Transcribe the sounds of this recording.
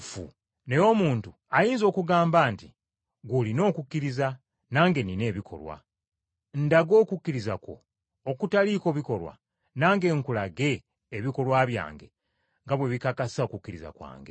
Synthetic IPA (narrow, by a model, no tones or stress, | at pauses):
fṵ | ne̞jo̞muːntu | ajiːnzo̞ːkuɡaːmbaːnti | ɡulino̞ːkukːiɾiza | naːŋɡe̞nine̞ːβikʰo̞̰lwa̰ | n̩daɡo̞ːkukːiɾizako̞̰ː | kutaliko̞βiko̞lwa̰ | naːŋɡe̞ːŋkulaɡe̞ː | βiko̞lwaβja̰ːŋɡe̞̰ | ŋɡaβwe̞βikakasaokukːiɾiza̰kwa̰ːŋɡe̞̰